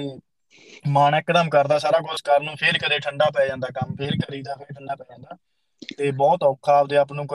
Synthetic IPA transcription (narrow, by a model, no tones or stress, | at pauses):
maːnɛkd̪əmkəɾd̪aːsaːɾaːkʊskəlnũːpʰeɾkəd̪eːʈʰəɳɖaːp̬ɛːd͡ʒãːnd̪aːkəmpʰeɾkəɾiːd̪aːpʰeːɾʈʰəɳɖaːpɛːd͡ʒãːnd̪aː | t̪eːbɔːt̪ɔːkʰːaːbd̪eːaːpnũːk